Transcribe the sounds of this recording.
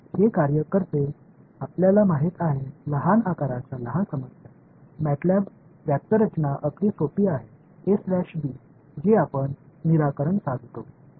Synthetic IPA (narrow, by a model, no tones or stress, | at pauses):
hekaɾjəkəɾt̪e | apljalamaɦit̪aɦeləɦanakaɾat͡ɕaləɦansəməsja | mæʈlab | ʋjak̚t̪əɾət͡ɕnaʔəklisopiːaɦe | eslæɕbiː | d͡ʑeapəɳniɾakəɾəɳsãɡ̪ʱt̪o